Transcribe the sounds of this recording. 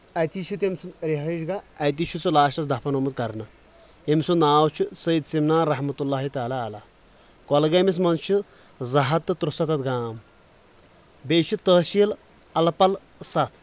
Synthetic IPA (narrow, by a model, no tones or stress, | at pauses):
ɐt̪it͡ʃʰut̪emsunɾiɦɐd͡ʒɡaɐjt̪̬it͡ʃʰut͡sɨlaːʃɐsd̪ɐpʰɐnomut̪̚kɐɾnɐ | emsunaːwt͡ʃʰisɐjid̪simnaːnɾɐɦmɐt̪ulːaːɦit̪aːlaːlaː | kɔlɡɐmis̬mɐnt͡ʃʰi | zɐɦɐt̪ːɨt̪ɾusɐt̪ɐt̪ɡaːm | beːt͡ʃʰit̪əːʃiːl | ɐlpɐl | sɐt̪ʰ